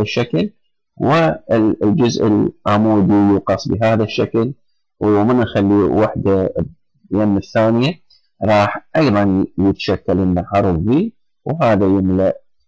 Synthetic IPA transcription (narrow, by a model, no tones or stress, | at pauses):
aʃːakl | wɪld͡ʒʊzʔɪ̰lʕamuːd̪ijuːqɑsˤbɪɦaːðaʃːakl | wmɪnʔaxalːiwaħd̪a | jaːmɪθːaːnɪja | ɾˤɑːħʔɑjðˤɑnjɪt̪ḁʃakːalʔɪnːaʕɑɾˤðˤːi | wɦaːðajɪmlaʔ